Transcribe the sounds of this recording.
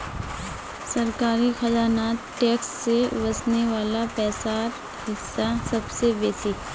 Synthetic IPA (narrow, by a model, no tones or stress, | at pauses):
sɐɾkaːɾixɐd͡ʒaːnaːt̪ʈɛːksːeʋɐsneʋaːlapɛːsaːɾ | hɪsːasɐbsebeːsi